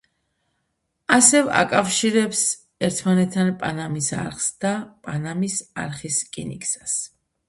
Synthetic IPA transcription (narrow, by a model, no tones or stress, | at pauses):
asɛva̰kʼafʃiɾɛps | ɛɾt̪ʰmanɛt̪ʰːanpʼanamisa̰ɾχsd̪apʼanamisa̰ɾχiskʼinḭkʼsḁs